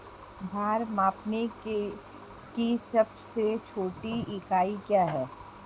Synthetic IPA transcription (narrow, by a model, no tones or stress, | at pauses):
bʱaːɾmaːpnek | kisɐbset͡ʃʰoːʈiɪkaːikjaɦɛː